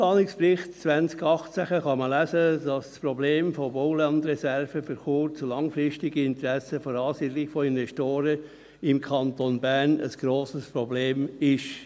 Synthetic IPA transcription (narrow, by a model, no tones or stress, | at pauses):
plɑːnɪksprɪχtt͡sʋænt͡skɑχt͡sæχəχɑməlæːsədɑsspɾɔbleːmfoboʊlɑnd̪ɾɛsɛɾfəfyɾχuːɾt͡sulɑŋfɾɪʃtɪɡiɪnt̪ɾæsəfoɾɑːsiːdlɪkfɔɪnʋɛʃtoːɾə | ɪmkʰɑnt̪onbærnə̰sɡ̥ɾoːsəspɾɔbleːmɪʃ